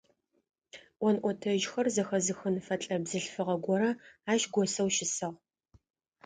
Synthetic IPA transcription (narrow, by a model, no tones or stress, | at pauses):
ʔʷɔnʔʷɔtʰɐʒxɐrzɐxɐzɨxɨnfɐt͡ɬʼɐbzɨɬfɨʁɐɡʷɔɾɐaːʃɡʷɔsɐwʃɪsɨʁ